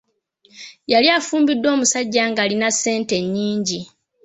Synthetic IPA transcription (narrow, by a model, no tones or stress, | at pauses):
jaljaːfuːmbidːo̞ːmusaɟːaːŋɡaːlinasːe̞ːnte̞ɲːiːɲɟi